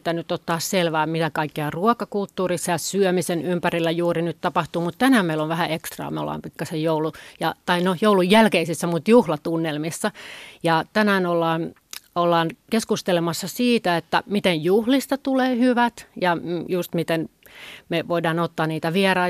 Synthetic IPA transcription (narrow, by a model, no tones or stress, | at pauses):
t̪ːænyt̪ːot̪ːɑːsselʋæːmit̪ækɑikːeɑruɔkɑkult̪ːuːrisːɑjɑsyømisenympærilːæjuːrinyt̪t̪ɑpɑht̪uːmut̪t̪ænæːmmeiloʋʋæhæekst̪rɑ̰ːmeo̰lːˑɑ̰ːmpikːɑsejjoulujɑt̪ɑinojoulujjælkeisisːæmut̪juhlɑt̪unːelmisːɑjɑt̪ænæːnolːɑːn | olːɑːnkeskust̪elemɑsːɑsiːt̪æet̪ːæ̰mit̪ejjuhlist̪ɑt̪uleːhyʋæt̪jɑjust̪mit̪enmeʋoidɑːnot̪ːɑːnniːt̪æʋiɛrɑi